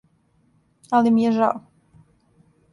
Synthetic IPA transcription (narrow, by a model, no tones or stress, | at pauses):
alimijeʒa̰o